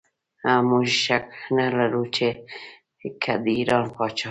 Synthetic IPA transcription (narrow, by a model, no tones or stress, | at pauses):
amuʃʃaknalaɾut͡ʃe | kʰad̪iːɾɑːnpɑːt͡ʃɑ